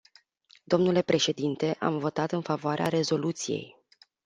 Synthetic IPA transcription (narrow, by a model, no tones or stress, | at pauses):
d̪̥o̞mnule̞pɾe̞ʃe̞d̪int̪e̞ʔa̰mvo̞t̪at̪ɨnfavoaɾeʔa̰ɾe̞zo̞lut̪sije̞̰j